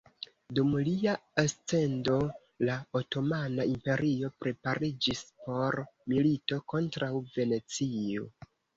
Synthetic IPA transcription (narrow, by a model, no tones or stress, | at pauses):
dumliaast͡se̞ndo̞ | laoto̞manaimpe̞ɾio̞pɾe̞paɾid͡ʒispo̞ɾmilito̞ko̞ntɾawve̞ne̞t͡sio̞̰